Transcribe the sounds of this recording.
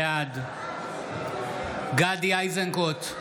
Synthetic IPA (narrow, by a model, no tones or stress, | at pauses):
ad̪ | ɡad̪iajzɐŋkot̪